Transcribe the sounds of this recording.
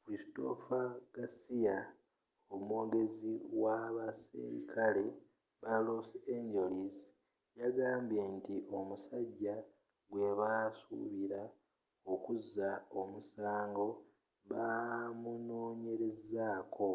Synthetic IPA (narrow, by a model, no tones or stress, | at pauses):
fɾisto̞faɡ̥asija | omwo̞ːɡe̞ziwaβasḭɾḭkʰale̞ | baloseɲɟelis | jaɡaːmbjentiʔo̞musaɟːa | ɡwe̞βasṵβiɾa | o̞kuzːao̞musaːŋɡo̞ | βamuno̞ːɲe̞ɾe̞zaːkʰo̞